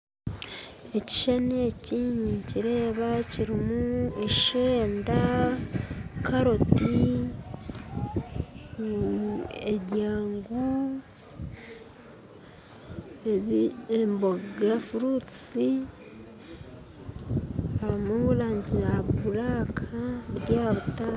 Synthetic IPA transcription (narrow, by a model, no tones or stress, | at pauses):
e̞ci̥ʃanieciɲiciɾe̞ːβaciɾimueʃeːnda | kaɾo̞ti | eɟaːŋɡu | emboɡafuɾut͡si | aɾmuβulaːɲɟiɾaβuɾaːkʰaβɾjaːβuta